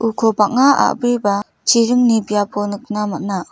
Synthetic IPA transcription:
ʔukʰɔbak̚ŋaa̰ʔbɾiba | t͡ʃiɾɯŋnibijapʰɔnɯk̚namat̚na

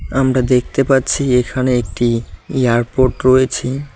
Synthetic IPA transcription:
amɾad̪ek̚ʰt̪epatːɕʰiekʰaneek̚ʈieaɾpoʈɾojet͡ɕʰi

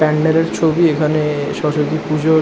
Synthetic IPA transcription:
pɛɳɖeɾeɾt͡ɕʰobiekʰaneʃɔʃok̪ipud͡ʑo

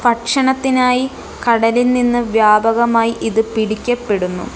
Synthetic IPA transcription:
pɐʈʂɐɳɐt̪ːinaːji | kɐɽɐlilninːɨʋjaːbɐɣɐmaːjiʔiðɨpiɽikʲːɐpːe̞ɽunːṵ

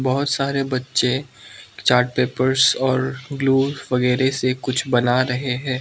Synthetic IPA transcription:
bɐɦʊt̪saːɾebɐtːʃe | t͡ʃaːɾʈ̚peːpəɾzɔːɾɡluːʋɐɣɛːɾesekʊt͡ʃʰbɐnaɾɐɦeɦɛ̃ː

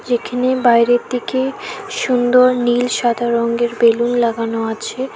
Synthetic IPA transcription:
d͡ʑekʰanebajɾet̪ːikeʃund̪oɾnilʃad̪ʱaɾɔŋɡeɾbelunlaɡanoat͡ɕʰe

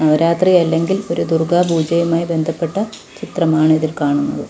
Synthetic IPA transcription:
nɐʋɐɾaːt̪rijɐlːe̞ŋɡilo̞ɾud̪urɡaːbʱuːd͡ʑɐjɐmaːjibe̞nd̪ʱɐpːe̞ʈːɐ | t͡ɕit̪rɐmaːɳɨiðilkaːɳunːɐðɨ

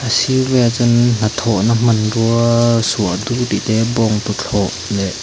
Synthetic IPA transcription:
ʔəsivɛt͡sʊnnat̪ʰɔʔnam̥ɐnruɐsuəʔd̪uʔt̪iʔt̪ɛbɔŋt̪ut͡ɬʰɔʔlɛʔ

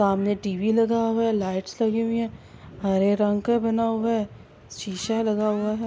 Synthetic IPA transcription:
saːmneʈiːʋilɐɡaɦʊaɦɛlaːɪʈslɐɡeɦũĩɦɛ̃ːɦɐɾeɾɐ̃ŋɡkbɐnaɦʊaɛ | ʃiːʃalɐɡaɦʊaɦɛ

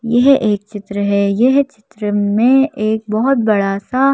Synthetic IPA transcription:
jeɦʔeːk̚t͡ʃɪt̪ɾəɦɛːjeɦt͡ʃɪ̥t̪ɾəmẽeːk̚bɔɦʊt̪̚bɐɽasa

